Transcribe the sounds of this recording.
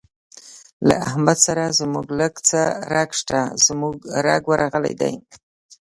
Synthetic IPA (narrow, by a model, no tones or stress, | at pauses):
la̰ahmad̪saɾazmuɡləɡt͡səɾaɡʂt̪az̥muɡɾaɡwəɾaɣəla̰jd̪a̰j